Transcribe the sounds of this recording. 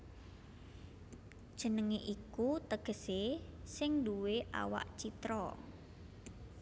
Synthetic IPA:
ʒ̥ənəŋeʔikut̪əɡ̥ə̤sesɪŋduweʔa̰wa̰ʔt͡ʃit̪ɾɔ

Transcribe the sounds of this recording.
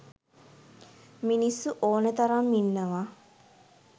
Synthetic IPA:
minisːuʔoːnət̪ɐɾamːinːəʋa

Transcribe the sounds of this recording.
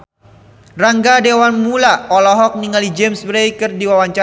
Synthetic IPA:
raŋɡadewanmulaɔlɔɦɔk̚niŋalid͡ʒemsbɾejkərdiwawaɲt͡ʃa

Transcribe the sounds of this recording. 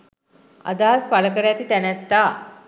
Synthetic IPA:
a̰d̪aɦaspaləkəɾəjat̪it̪ænæt̪ːaː

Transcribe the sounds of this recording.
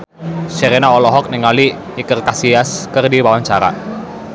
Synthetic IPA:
ʃeɾenaɔlɔɦɔk̚nɪŋaliː | kərkasiaskərdiwawaɲt͡ʃaɾa̰

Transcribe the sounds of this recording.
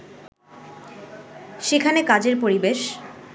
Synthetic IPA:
ʃekʰanekad͡ʑeɾpoɾibeʃ

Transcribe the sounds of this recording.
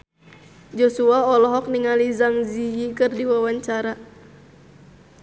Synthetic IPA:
d͡ʒɔsuaɔlɔɦɔk̚niŋalizaŋzijikɨrdiwawaɲt͡ʃaɾa

